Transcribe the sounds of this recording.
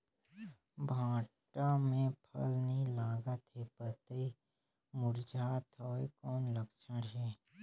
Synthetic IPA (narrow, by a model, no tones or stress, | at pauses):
bʱãːʈamẽpʰə̰lnĩlaːɡət̪ɦepət̪ei | mʊɾd͡ʒʱaːt̪ʰoːekɔːnləkt͡ʃʰəɽɦɛː